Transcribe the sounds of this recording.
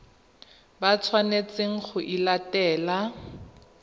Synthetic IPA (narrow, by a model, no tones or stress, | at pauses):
bat͡sʰwanet͡seŋ̩χʊʔilatɛːla